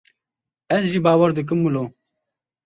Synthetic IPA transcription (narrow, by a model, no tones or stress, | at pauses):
ɛzʒiːbaːwɐɾd̪ɨk̬ɨmːuloː